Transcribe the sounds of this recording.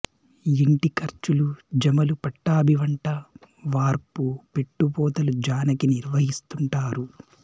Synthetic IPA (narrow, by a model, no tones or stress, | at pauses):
iɳʈikɐɾt͡ʃulud͡ʒɐmɐlupɐʈːaːbʱiʋɐɳʈɐ | ʋaːɾpupe̞ʈːupɔːt̪ɐlud͡ʒaːnɐkiniɾʋɐɦist̪uɳʈaːɾu